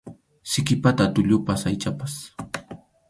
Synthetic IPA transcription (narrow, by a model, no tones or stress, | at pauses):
sɪkɪpat̪at̪ʊʎʊpasajt͡ʃapas